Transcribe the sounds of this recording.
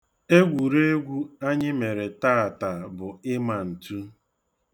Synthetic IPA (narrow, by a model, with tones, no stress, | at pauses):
e˦ɡʷu˨ɾe˦e˦ɡʷu˦a˦ɲɪ˦me˨ɾe˨ta˦a˨ta˨bʊ˨ɪ˦ma˨n̩˨tu˦